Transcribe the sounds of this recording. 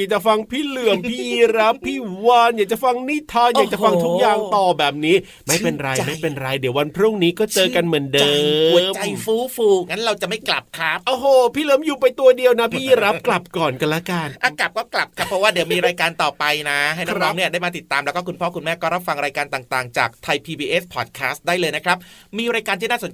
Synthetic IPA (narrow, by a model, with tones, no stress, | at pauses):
jaː˨˩t͡ɕa˨˩fa˧ŋpʰiː˥˩lɯ˨˩əmʰiː˥ɾa˦˥pʰːiː˥˩waː˧˩njaː˨˩k̚t͡ɕa˨˩fa˧ŋniː˥˩t̪ʰɔː˧jaː˨˩kt͡ɕa˨˩fa˧ŋt̪ʰu˦˥k̚jaː˨˩ŋt̪ɔː˨˩bɛː˨˩p̚niː˦˥ | ma˥˩jpe˧nɾa˧jma˥˩jpe˧nɾa˧jdi˨˩˦wa˧npʰɾu˥˩ŋniː˦˥kɔː˥˩t͡ɕɤː˧ka˧nmɯ˨˩˦ndɤː˧˨˩t͡ɕa˧jfuː˦˥fuː˧˩ŋa˦˥nɾa˧wt͡ɕa˨˩ʔma˥˩jkla˨˩p̚kʰɾa˦˥p̚ʔoː˧˩ɦoː˧˩pʰiː˥˩ləː˦mjuː˨˩pa˧jt̪u˧ɐdi˧əwna˦˥pʰiː˥˩ɾa˦˥kla˨˩p̚kɔː˨˩nka˧nlɛ˦˥ka˧nʔa˧kla˨˩p̚kɔː˥˩kla˨˩p̚kʰa˦˥pʰːɾɔ˦waː˥˩di˩˦wmiː˧ɾaː˧jkaː˧nt̪ɔː˨˩pa˧jna˦˥a˥˩na˥nɔː˦˧˥ŋni˥ɐdaː˥˩jmaː˧t̪i˨˩t̪ːaː˧mlɛ˦˥kɔː˥˩kʰu˧npʰɔː˥˩ku˧nmɛː˥˩kɔː˥˩ɾa˦˥p̚fa˧ŋɾaː˧jkaː˧nt̪aː˨˩ŋt̪aː˨˩ŋt͡ɕa̰ː˨˩k̚t̪ʰa˧jpʰiː˧biː˧ʔe˦˥spʰɔː˨˩t̪̚kʰɛː˦˥st̪̚daː˥˩jlɤː˧jna˦˥kʰɾa˦˥p̚miː˧ɾaː˧jkaː˧nt̪ʰiː˥˩naː˥˩so˨˩˦n